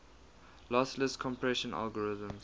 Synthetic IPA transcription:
lɔsləskʰɔ̃mpʰɹɛʃə̃na̰lɡɔɹɪzə̃mz

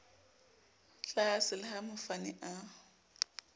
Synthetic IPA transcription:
ɬaasɪlɪhamʊfanɪʔa

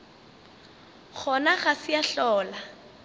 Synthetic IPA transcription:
k͡xʰɔnaɣasɪjaɬɔːla

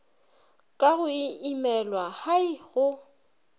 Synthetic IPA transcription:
kʼaɣʊiimɛlwahaɪɣʊ

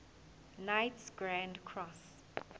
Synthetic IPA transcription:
najtsɡɹãndkʰɹɔs

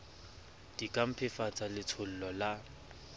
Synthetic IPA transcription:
d̥ikʼam̩pʰɪfat͡sʼalɪt͡sʰʊl̩lɔla

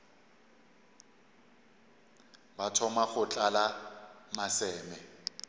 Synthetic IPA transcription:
batʰɔmaχʊt͡ɬʼalamasɛːmɛ

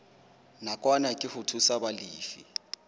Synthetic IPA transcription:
nakʼwanakʼɪhʊtʰusabaliːfḭ

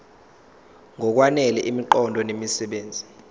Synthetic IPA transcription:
ŋʱɔk̬wanɛlɛʔimiǃɔndʱɔnemisɛɓeːnd͡zʱi

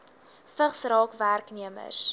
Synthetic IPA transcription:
fəχsrɑːkværkniəmə̰s

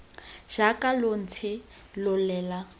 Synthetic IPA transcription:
ʒ̥akʼalon̩t͡sʰɪ | lʊlɛːla

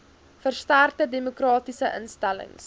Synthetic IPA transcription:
fərstartədemokrɑːtisəʔə̰nstælə̰ŋs

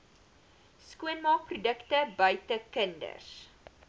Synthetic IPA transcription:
skuənmɑːk̚prudəktəbœɥtəkəndə̰s

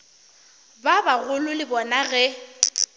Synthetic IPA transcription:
babaɣʊlʊlɪbɔnaɣɛ

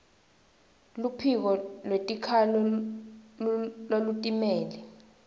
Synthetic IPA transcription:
lupʰik̬ɔlwetʼikʰalɔ | lolutʼimɛːlɛ

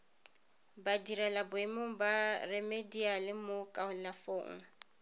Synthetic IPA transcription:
badiɾɛlabʊemoŋ̩barɛmedialɪmokʼaʊnlafoːŋ̩

